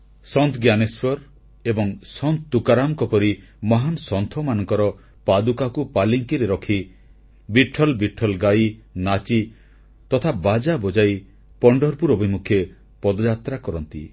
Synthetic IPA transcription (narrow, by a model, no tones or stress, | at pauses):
sɔnt̪ɡjaneswɔɾ | ebɔŋsɔnt̪t̪ukaɾamkɔpɔɾi | mɔɦansɔnt̪ʰɔmanɔŋkɔɾɔ | pad̪ukakupaliŋkiɾeɾɔkʰi | biʈʰːɔlbiʈʰɔlɡajnat͡ʃi | t̪ɔt̪ʰabad͡ʒabɔd͡ʒaj | pɔɳɖɔɾpuɾobʱimukʰje | pɔd̪ɔd͡ʒat̪ɾakɔɾɔnt̪ḭ